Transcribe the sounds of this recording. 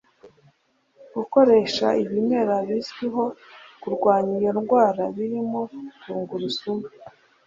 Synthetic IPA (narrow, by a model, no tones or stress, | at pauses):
ɡ̥uko̞ɾe̞ʃa̰iβime̞ɾaβisɡiɦo̞kuɾɡwaːɲiɾjoɾɡwaːɾaβiɾimo̞tuːŋɡuɾusumi